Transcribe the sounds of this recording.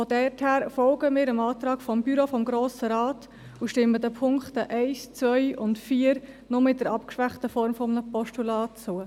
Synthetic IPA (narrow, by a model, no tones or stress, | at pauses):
fɔdɛthæːɾfɔlɡəmɪːɾəmɑːtɾɑːɡ̥fɔmbyɾofɔmɡɾoːsəɾɑːt | uʃtɪmːədəpʰʊŋkχtəʔæɪst͡svœʏʊntfiːəɾ | nʊmɪt̚dəɾɑpkʃʋæχtəfɔɾmfɔmnəpɔʃtulɑːt͡suə